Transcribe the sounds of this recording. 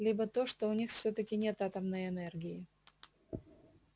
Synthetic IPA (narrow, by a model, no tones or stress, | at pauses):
lʲibət̪o̞ʂt̪oʊnʲixfsʲɵt̪əkʲɪnʲe̞t̪at̪əmnəjɛnɛrɡʲɪjɪ